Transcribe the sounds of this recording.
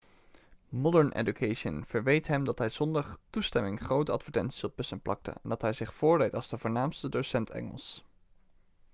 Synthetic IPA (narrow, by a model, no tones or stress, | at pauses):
mɔdəɹnʔḛdukʰejʃənv̥əɹʋejtɦɛmdɑtɦɛjz̥ɔndɑχtustɛmɪŋχrowtəɑtfəɹtɛ̰ntsi̥zlˠt̚pəsənplʔɑ̰k̚tə̰ndɑtɦɛjzɪχfʊːɹdejtɑlˠzdəvʊːɹnaːmstədosɛntʰɛ̰ŋə̰lˠs